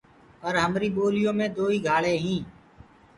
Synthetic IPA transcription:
pəɾɦəmɾiːɓoːlɪjõːmẽːd̪oːiːɡʱaːɭeːɦĩː

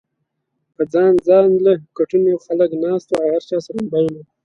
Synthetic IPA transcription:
pəd͡zɑːnd͡zɑːnləkaʈunexaləknɑːst̪oawhaɾt͡ʃɑːsaɾumbajla

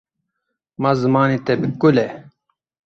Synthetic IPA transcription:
mazɨmaːniːt̪ɛbɨkulɛ

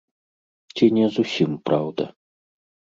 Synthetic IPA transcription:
t͡sʲinʲɛzusʲimpɾawd̪ɐ̰

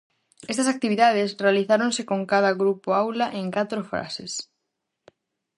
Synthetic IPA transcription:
ɛst̪ɐsak̚t̪iβiðað̞ɪsrealiθaɾonsɪkoŋkaðɐɣɾupoawlaʔeŋkat̪ɾofɾa̰sḛs

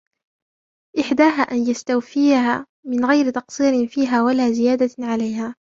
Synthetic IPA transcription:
ʔɪħd̪aːɦaːʔanjast̪awfɪjaɦaː | mɪnɣajɾɪt̪ɑqsˤiːɾɪnfiːɦaːwalaːzɪjaːd̪aʕalajɦaː

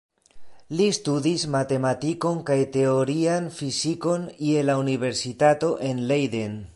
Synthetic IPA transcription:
list̪udismat̪e̞matiko̞nkajt̪e̞o̞ɾianfisiko̞nielauniβe̞ɾsitato̞ʔe̞nlejden

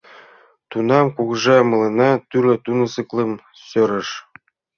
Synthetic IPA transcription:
t̪unɑmkuɡɤʐɑmɤ̆lˠɤ̆nɑt̪ylɘ̆t̪unɤ̆sɤ̆klˠɤ̆m | sŏɾɘ̆ʂ

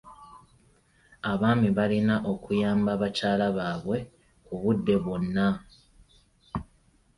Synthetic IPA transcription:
aβaːmiβalinaʔo̞kujaːmbaβacaːlaβaːβwe̞ | kuβudːe̞βwonːa

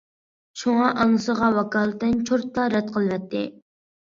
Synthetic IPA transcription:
ʃuŋɑʔɑŋɨsəʁɑwɑkɑːlˠɨt̪ɪnt͡ʃʰoɾt̪lɑɾɛt̪̚qʰəlˠwɛt̪ʰːɪ

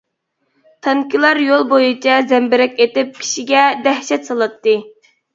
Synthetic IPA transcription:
t̪ʰɑŋkʲilˠɑɾjolˠbojut͡ʃʰɛzɛmbɪɾɛkʲet̪ɪp̚kʲʰi̥ʃiɡʲɛd̪ɛhʃɛt̪sɑlˠɨt̪ːɨ

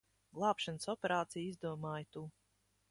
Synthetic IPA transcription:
ɡlˠɑːpʃansɔpʲeɾaːt̪sijizd̪uɔmaːjt̪uː

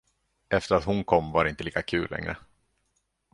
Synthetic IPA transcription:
ɛft̪əɾat̪hʊnkʰɔmːvaɖɛɪnt̪əliːkakʰʉ̟ːlːɛ̰ŋɾə̰

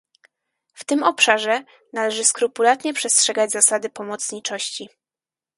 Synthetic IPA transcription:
ft̪ɘmɔpʂaʐɛ | nalɛʐɘskɾupulat̪ɲɛpʂɛstʂɛɡad͡ʑzasad̪ɘpɔmɔt̪sɲit͡ʂɔɕt͡ɕi

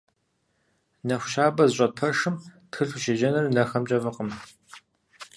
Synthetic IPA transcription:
nɐxʷʊʃaːbɐzɕʷʼɐpʰɐʂɨmtxɨɬʷuʃeʒɐnɨrnɐxɐmt͡ʃʼɐvɐqəm

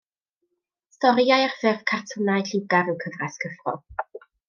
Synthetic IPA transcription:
stɔɾjajarfɪrvkʰartʰɔnajɬɪwɡaɾəwkʰəvraskʰəfrɔ̰

